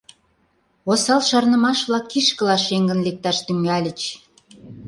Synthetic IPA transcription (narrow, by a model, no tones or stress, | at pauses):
osɑlʃɑrnə̆mɑʃβlɑkːiʃkə̆lɑʃeŋɡə̆nlek̚t̪ɑʃt̪yŋɡælʲə̆t͡ɕ